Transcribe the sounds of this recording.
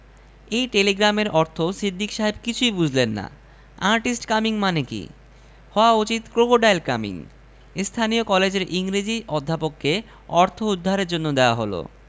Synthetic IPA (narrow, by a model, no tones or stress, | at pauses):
ejʈeleɡɾameɾʔɔɾt̪ʰosid̪ʱːikʃaɦebkit͡ɕʰujbud͡ʑʱlenːa̰ | aɾʈisʈkamiŋmanekḭ | hɔoaut͡ɕit̪kɾokoɖajlka̰mḭŋ | st̪ʰaniokɔled͡ʑeɾʔiŋɾid͡ʑiʔɔd̪ʱːapokːe | ɔɾt̪ʰoud̪ʱːaɾeɾd͡ʑonːod̪eoa̰ɦolo̰